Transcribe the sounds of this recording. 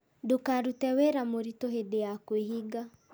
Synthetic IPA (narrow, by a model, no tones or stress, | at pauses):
dokaɾutɛweɾamoɾitoɦedeakweɦiɡa